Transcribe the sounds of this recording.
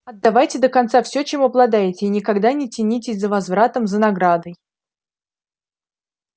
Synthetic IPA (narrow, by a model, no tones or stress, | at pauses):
ɐd̪ːavajtʲɪd̪əkɐnt̪safsʲɵt͡ɕemɐblˠɐd̪ajɪtʲɪːnʲɪkaɡd̪anʲɪtʲɪnʲitʲɪsʲzəvɐzvɾat̪əmzənɐɡɾad̪əj